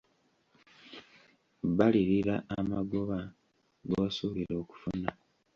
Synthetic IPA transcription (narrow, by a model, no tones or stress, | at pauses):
βaliɾiɾaːmaɡoβa | ɡosuːβiɾo̞ːku̥funa